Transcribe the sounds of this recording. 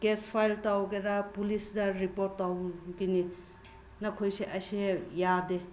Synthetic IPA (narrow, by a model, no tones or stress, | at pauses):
ɡespʰajltawɡeɾapulisdaɾipoɾtːawɡini | nakʰojseʔɐjsejade